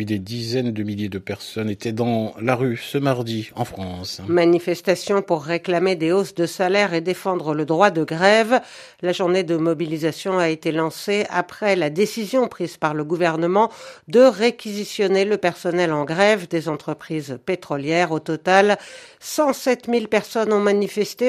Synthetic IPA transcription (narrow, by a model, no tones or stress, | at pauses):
id̪ed̪izɛnd̪əmiljed̪əpɛʁsɔnet̪ɛd̪ɑ̃laʁysəmaʁd̪iɑ̃fχɑ̃smanifɛst̪asjɔ̃puʁːeklamed̪eosd̪əsalɛʁed̪efɑ̃d̪ʁələd̪ʁwad̪əɡʁɛv | laʒuʁned̪əmɔbilizasjɔ̃aet̪elɑ̃sea̰pχɛlad̪esizjɔ̃pχizpaʁləɡuvɛʁnəmɑ̃d̪əʁekʲizisjɔneləpɛʁsɔnɛlɑ̃ɡʁɛvd̪ezɑ̃t̪χəpχizpet̪χɔljɛʁot̪ɔt̪alsɑ̃sɛt̪milpɛʁsɔnɔ̃manifɛst̪e